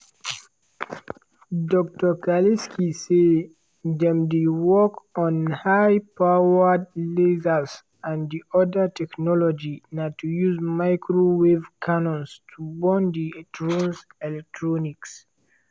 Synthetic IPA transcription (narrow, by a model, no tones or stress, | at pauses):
dɔk̚tɔkaliskʰise | dɛ̃mdewɔkɔ̃nhajpʰaədlezas | ãndiɔdətʰɛknɔlɔd͡ʒinatujuzmaɪkʰɹowevkʰanɔ̃nstʰubɔ̃ndiɛtʰɹɔ̃nsɛlɛk̚tʰɹɔniks